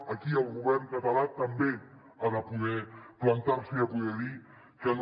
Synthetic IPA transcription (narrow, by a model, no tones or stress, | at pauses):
akiəlˠɣuβɛrŋkat̪alat̪ambe | aðəpuðɛplant̪aɾsiapuðɛli | kən